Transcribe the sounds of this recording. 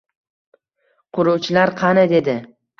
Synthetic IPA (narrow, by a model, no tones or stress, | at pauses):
qʰʊɾuwt͡ʃʰɪlaɾqʰɑnad̪e̞d̪ɪ